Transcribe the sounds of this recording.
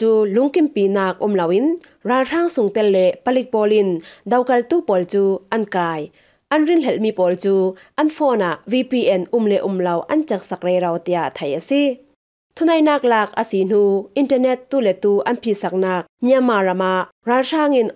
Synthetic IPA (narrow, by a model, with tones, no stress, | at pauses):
t͡suː˧lʊ˨˦ŋki˨mpi˨naː˧k̚ʔu˧˨mlɐ˨wi˥nraː˨˧lr̥aː˧˥ŋsʊ˨ŋt̪ɛ˧˨llɛ˧˨ʔpɐ˧li˧˥k̚pɔː˨li˧nd̪ɐ˨wkɐ˨lt̪uː˦˨pɔ˨lt͡suː˧ʔɐ˦nkaː˧j | ʔɐ˦nri˥˨nlɛ˧˨lmi˨pɔː˨lt͡suː˦ʔɐ˦nfɔː˧˨na˨ʔvi˧pi˧ʔɛ˨nʔu˧˨mlɛ˧ʔu˧˨mlɐ˨wʔɐ˦nt͡sa˨˥k̚sa˧k̚rɛ˧jɾɐ˧wt̪i˧˨a˨t̪ʰɐ˨ja˨si˦˧ | t̪ʰu˦nɐ˨jnaː˧k̚laː˧k̚ʔə̰˨si˨n̥u˧ʔi˧ntɐ˧rnɛ˧t̪ːu˧˨lɛ˨t̪uː˧ʔɐ˦npʰi˨sa˧˥k̚naː˧k̚mi˦a˧mːaː˨rɐ˨ma˨ʔ | raː˨lr̥aː˧˥ŋi˧n